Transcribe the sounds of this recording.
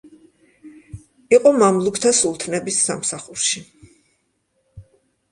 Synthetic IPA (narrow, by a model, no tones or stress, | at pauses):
iqʼɔmamlˠukʰt̪ʰasulˠt̪ʰnɛbisːamsaχuɾʃi